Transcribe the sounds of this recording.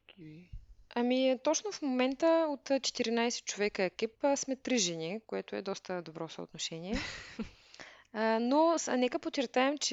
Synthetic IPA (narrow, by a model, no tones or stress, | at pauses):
ɐmit̪ɔt͡ʃnofmomɛnt̪əot̪t͡ʃɛ̥t̪iɾinajsɛ̥t̪̚t͡ʃovɛkəɛkipəsmɛt̪ɾiʒɛnʲikoɛt̪ʊɛd̪ɔst̪əd̪obɾɔsə̰o̰t̪noʃɛniɛ | nonɛkəpot͡ʃɛɾt̪aɛmt͡ʃɛ